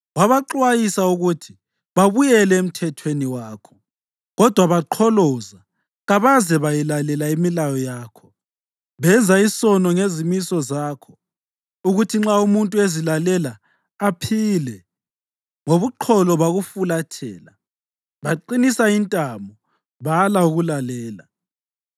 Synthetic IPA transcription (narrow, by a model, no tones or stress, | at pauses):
waβaǃwajisauɣutʰi̥ | βaβujɛlɛem̩tʰɛtʰweniwaːkʰɔ̥ | ɣɔd̥ʱwaβaǃʰɔlɔza | ɣaβazɛβajilalɛlaimilajɔjaːkʰɔ̥ | βɛnd͡zaisɔnɔŋezimisɔzaːkʰɔ̥ | uɣutʰiŋ͡ǁaumuntʼuezilalɛlaː | pʰilɛ | ŋoβuǃʰɔlɔβaɣufulatʰɛ̰ːla | βaǃinisaintʼambɔ | βalauɣulalɛːla